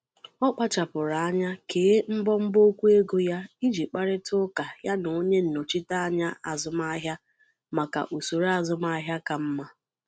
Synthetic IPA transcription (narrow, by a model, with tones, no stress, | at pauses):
ɔ˦k͡pa˦t͡ʃa˨pʊ˨ɾa˨a˦ɲa˦keː˨˦m̩˦bɔ˦m̩˦bo˦kʷu˦e˦ɡo˦ja˦i˦d͡ʒi˨k͡pa˦ɾɪ˦tʊ˦ka˨ja˦no˨o˦ɲe˦n̩˨no˨t͡ʃi˦ta˦a˦ɲa˦a˨zʊ˦m˦a˦ɦja˦ | ma˨ka̰˨ʔu˨so˨ɾa˨zʊ˦ma˦ɦja˦ka˨m̩˦ma˦